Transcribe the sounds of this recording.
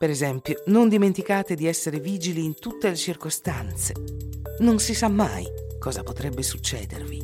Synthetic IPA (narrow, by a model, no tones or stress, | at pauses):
peɾezɛmpjonond̪iment̪ikaːt̪ed̪iɛsːeɾeviːd͡ʒiliːnt̪ut̪ːelet͡ʃirkost̪ant̪senonsisamːa̰jkɔːzapot̪ɾɛbːesut͡ʃːɛ̰ːd̪ḛrvi